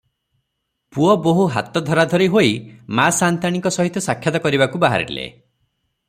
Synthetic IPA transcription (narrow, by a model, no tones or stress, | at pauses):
puɔboɦuɦa̰t̪ɔd̪ʱɔɾad̪ʱɔɾiɦoimasant̪aɽ̃iŋkɔsɔɦit̪ːɔsakʰːjɔt̪ɔkɔɾibakubaɦa̰ɾḭlḛ